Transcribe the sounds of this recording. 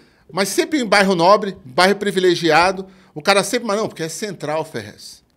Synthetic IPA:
mɐjsẽmpɾɪẽbajɦʊnɔbɾɪbajɦʊpɾivileʒiad̪ʊ | ʊkaɾɐsẽpɾɪmãznɐ̃pokeɛsẽnt̪ɾawfɛ̰hɐ̰s

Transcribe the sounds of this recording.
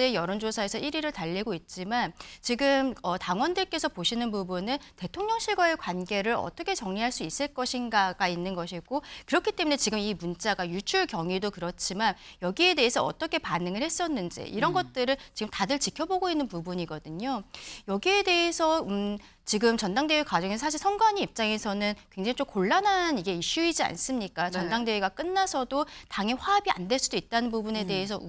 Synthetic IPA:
ejʌɾond͡ʑosʰaesʰʌʔiɾiɾɯɭtaʎːiɡoit̚t͡ɕ͈imant͡ɕiɡɯmʌtaŋwʌndɯɭk͈e̞sʰʌpoɕʰinɯnpubunɯnte̞tʰoŋɲʌŋɕʰiɭɡʌe̞kwanɡe̞ɾɯɾʌ̰t͈ʌkʰe̞t͡ɕʌŋɲiɦaɭs͈uis͈ɯɭk͈ʌɕʰinɡaɡainːɯnɡʌɕʰiɡokɯɾʌkʰit͈e̞mune̞t͡ɕiɡɯmimunt͡ɕ͈aɡajut͡ɕʰuɭkjʌŋɥidokɯɾʌt͡ɕʰimanjʌɡie̞de̞esʰʌʌ̰t͈ʌkʰe̞panɯŋɯɭhe̞s͈ʌnːɯnd͡ʑḭʔiɾʌnɡʌt̚t͈ɯɾɯɭt͡ɕiɡɯmtadɯɭt͡ɕikʰʌboɡoinːɯnpubuɲiɡʌdɯɲojʌɡie̞de̞esʰʌ | t͡ɕiɡɯmt͡ɕʌndaŋde̞ɥikwad͡ʑʌŋes̬ʰʌsʰaɕ̬ʰiɭsʰʌnɡwaɲiip̚t͡ɕ͈aŋe̞sʰʌnɯnkwe̞ŋd͡ʑaŋit͡ɕ͈omkoɭːananiɡe̞iɕ͈uid͡ʑia̰ns͈ɯmɲik͈at͡ɕʌndaŋdeɥiɡak͈ɯnːasʰʌdotaŋiɸwaːbia̰nde̞ɭs͈udoit̚t͈anɯnpubune̞de̞es̬ʰʌ

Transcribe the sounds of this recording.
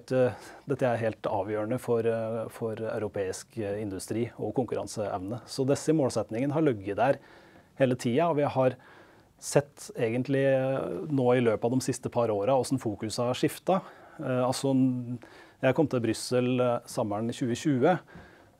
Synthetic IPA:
t̪d̪ɛt̪ːəæɾɦeːlt̪ɑ̰ːʋjøːɾəɳəfɔɾfɔɾæ̰ʉɾʊpʰeːɪskɪnd̪ʉst̪ɾiːɔ̰kʊŋkʉɾɑ̰nsəʔɛ̰ʋnəsɔd̪ɛsːəmoːlsɛt̪nɪŋənɦɑɾɭœɡːəd̪æɾheːlət̪ʰiːɑɔʋɪhɑɾ | sɛt̪ːeːɡənt̪lɪnoːɪløːpɑʋd̪ɔmsɪst̪əpʰɑɾoːɾɑɔsnfuːkʉsɑʂɪft̪ɑɑlsɔ | jæɪkʰɔmt̪ʰɪlbɾʏsəlsɑmːəɳɪçʉːəɕʉːə

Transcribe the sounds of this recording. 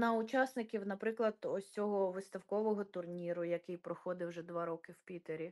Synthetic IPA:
nɐʊt͡ʃɑsnɪkʲiwnɐpɾɪklˠɐd̪̥ɔsʲt͡sʲɔɦɔʋɪst̪ɐwkɔʋɔɦɔt̪ʊrnʲiɾʊjɐkɪjpɾɔxɔd̪ɪwʒɛd̪ʋɑɾɔkɪwpʲit̪eɾʲi

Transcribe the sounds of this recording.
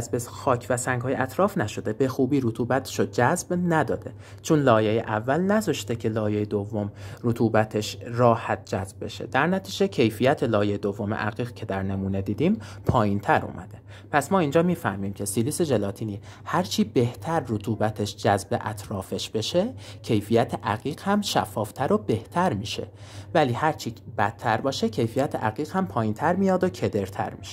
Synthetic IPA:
zbexɒːcʰvæsæŋɡhɒːjeʔæt̪ʰɾɒːfnæʃo̞d̪e̞be̞xuːbiːɾut̪ʰuːbæt̪ʰe̥ʃod͡ʒæzbnæd̪ɒːd̪e̞ | t͡ʃʰonlɒːjejeʔævːælnæzɒʃt̪e̞cʰe̞lɒːjejed̪ovːomɾot̪ʰuːbæt̪ʰe̞ʃrɒːhæt̪̚d͡ʒæzbbe̞̰ʃe̞̰d̪æɾnæt̪ʰiːd͡ʒecʰe̞jfijæt̪ʰelɒːjejed̪ovːomḛʔæɣiːɣcʰe̞d̪æɾne̞muːne̞d̪iːd̪iːmpʰɒːjint̪ʰæɾṵːmʔæ̰d̪e̞ | pʰæsmɒːiːnd͡ʒɒːmiːfæhmiːmcʰe̞siliːse̞d͡ʒe̞lɒːt̪ʰiːniː | hæɾt͡ʃʰiːbe̞ht̪ʰæɾːot̪ʰuːbæt̪ʰe̞ʃd͡ʒæzbe̞̰ʔæ̰t̪ʰɾɒːfe̞ʃbe̞ʃe̞cʰe̞jfijæt̪ʰeʔæɣiːɣ̥hæmʃæ̰fːɒːft̪ʰæɾobe̞ht̪ʰæɾmiːʃe̞̰ | væliːhæɾt͡ʃʰib̥æt̪ʰːæɾbɒːʃecʰe̞jfijæt̪ʰeʔæɣiːɣhæmpʰɒːjint̪ʰæɾmijɒːd̪ocʰe̞d̪e̞ɾt̪ʰæ̰ɾmiʃe̥

